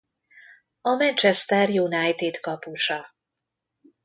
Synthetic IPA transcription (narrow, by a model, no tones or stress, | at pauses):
ɒmɛnt͡ʃɛst̪ɛrjunajt̪id̪kɒpuʃɒ